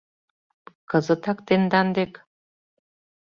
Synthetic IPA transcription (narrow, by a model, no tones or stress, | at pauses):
kɤzə̆t̪ɑkt̪end̪ɑnd̪ek